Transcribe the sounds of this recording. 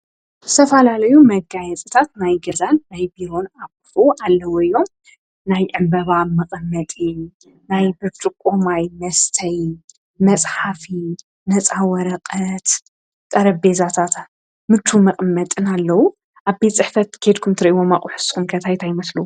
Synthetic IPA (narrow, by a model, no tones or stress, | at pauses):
zzɨt̪ʰɐfɐlalɐjumɐɡajɛt͡sʼɨt̪ʰat̪najɡɐzanːajbiɾo̞naβkɨ̥fuʔalːɐwoɨjːo̞m | najʕɨmbɐβamɨqʼɨmːɐt̪ʼi | najbɨt͡ʃʼɨkʼːomajmɐst̪ʰɐj | mɐt͡sʼħafi | nɐt͡sʼawɐɾɐqʼɐt̪ | t̪ʼɐɾɐbe̞zat̪ʰat̪ | mɨt͡ʃ̪ʰːumɐqʼɨmːɐt̪ʼɨnalːɐwu | ʔaβbet̪t͡sʼɨħfɐt̪kʰed̪kʰumt̪ʰɨɾɐʔiwo̞maχʼuħɨsxumkʰɐt̪ʰajt̪ʰajɪmɐslu